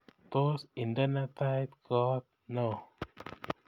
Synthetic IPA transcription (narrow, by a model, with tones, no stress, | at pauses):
t̪o˦si˨ndə˦na˦t̪a˦jt̪̚kɔ˦t̪̚no˨